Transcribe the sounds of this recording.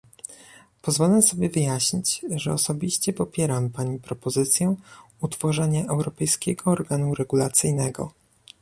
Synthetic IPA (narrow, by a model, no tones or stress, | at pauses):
pɔzvɔlɛsɔbʲjɛvɘjaɕɲit͡ɕʐɛɔsɔbʲiɕt͡ɕɛpɔpʲjɛɾampaɲipɾɔpɔzɘt̪sʲjɛ | ut̪fɔʐɛɲaʔɛwɾɔpɛjskʲɛɡɔːɾɡanuɾɛɡulat̪sɘjnɛɡɔ̰